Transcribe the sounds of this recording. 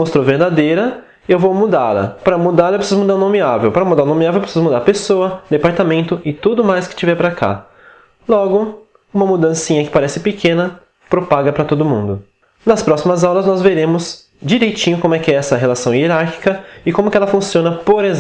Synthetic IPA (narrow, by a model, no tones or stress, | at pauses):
most̪ɾowveɾd̪ad̪ejɾɐ | ɪewvowmud̪alɐ̰pɾɐmud̪aɾlɐewpɾɪsizʊmud̪aɾũnõmiavewpɾɐmud̪aɾũnõmiavewpɾɪsizʊmud̪aɾpesoɐd̪epaɾt̪amẽnt̪ʊɪt̪ud̪ʊmajskɪ̥t͡ʃivɛɾpɾakʰa̰ | lɔɡʊ | ũmɐmud̪ɐ̃sĩɲɐkɪ̥paɾɛsɪpɪkʰẽnɐ | pɾopaɡɐpɾɐt̪od̪ʊmũd̪ʊ | nɐspɾɔsimɐzawlɐznɔzveɾẽmʊz | d͡ʒiɾejt͡ʃĩɲʊkõmʊɛkɪɛɛsɐɦelasɐ̃w̃ieɾaɾki̥kɐɪkõmʊkɪɛlɐfũsiõnɐpoɾez